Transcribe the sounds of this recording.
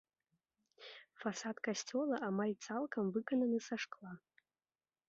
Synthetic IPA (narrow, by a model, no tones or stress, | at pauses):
fasadkʼasʲtʰʲolaʔamajt͡sʰʼalˠkʰʼamvɨkʼananɨsaʂkʼlˠa